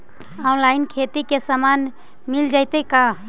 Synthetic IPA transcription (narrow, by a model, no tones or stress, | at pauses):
ɔnlaɪnkʰet̪ikesaman | mild͡ʒajt̪eka